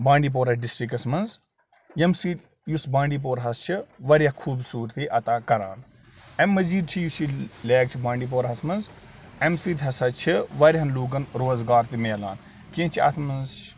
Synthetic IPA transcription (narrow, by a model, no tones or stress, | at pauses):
bãːɳɖiːp̬oːɾɐɖisʈɾikɐsmɐnz | jɐmsiː | jusbãːɳɖiːp̬oːɾɦɐst͡ʃʰiʋɐɾʲjɐhkʰuːbsuːɾt̪ʰiʔɐt̪aːkɐɾa̰ːn | ɐmːɐziːd̪̚t͡ʃʰijusileːɡt͡ʃʰibãːɳɖiːp̬oːɾɦɐsmɐnz | ɐmsiːd̪ɦɐsɐt͡ʃʰiʋɐɾʲɦɐnluːɡɐnɾoːzɡaːɾt̪imeːla̰ːn | kint͡ʃʰiɐ̰t̪ʰmɐnzt͡ʃʰ